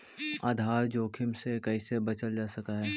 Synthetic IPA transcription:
a̰ːd̪ʱaːɾd͡ʒoːkʰɪmsekɛɪsebɐt͡ʃəld͡ʒaːsɐkaɦɛː

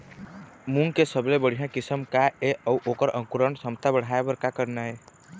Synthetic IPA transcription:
muŋɡkesəblebəɽ̤ijãkɪsəmkaeʔəuʔokəɾə̃ŋkuɾəɳsəmt̪abəɽ̤aebəɾkakəɾnae

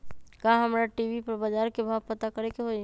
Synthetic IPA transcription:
kaːɦɐmɾaʈiːʋipɐɾbad͡ʒaːɾkebʱaːpɐt̪akɐɾekeɦoe

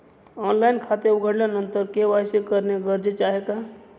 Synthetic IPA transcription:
ɔːnlaːɪnkʰaːt̪eʊɡʱəɽlanə̃nt̪əɾkeʋaːsekəɾneɡəɾd͡ʒət͡ʃaːɦekaː

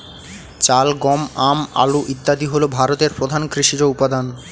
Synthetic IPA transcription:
t͡ɕalɡɔmama̰luʔit̪ːad̪iɦolobʱaɾot̪eɾpɾod̪ʱankɾiʃiɾoupad̪an

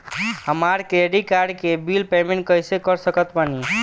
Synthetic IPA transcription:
ɦəmaɾkeɖikaɾɖkebilpemeɳʈkəjsekəɾsəkət̪pani

